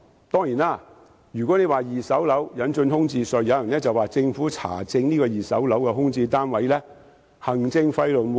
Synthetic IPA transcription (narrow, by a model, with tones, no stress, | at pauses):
t̪ɔː˥ŋjiː˨˩naː˥˩ | jyː˨kɔ˨˥ne˨˧jwaː˨jiː˨sɐ˨˥wlɐ˨˥wjɐ˨˥nt͡ʃɵ˧nhʊ˥ŋt͡siː˧sɵ˨˧jjɐ˨˧jɐ˨˩nɛː˥t͡sɐ˨waː˨t͡sɪ˧ŋfuː˨˥t͡sʰa̰ː˨˩t͡sɪ˧ŋniː˥kɔː˧jiː˨˩sɐ̰˨˥wlɐ˨˥wkɛ˧ɦʊ˥ŋt͡siː˧t̪aː˥nwɐ˨˥jlɛː˥ | hɐ˨˩ŋt͡sɪ˧ŋfɐ˧jlɵ˨˩nw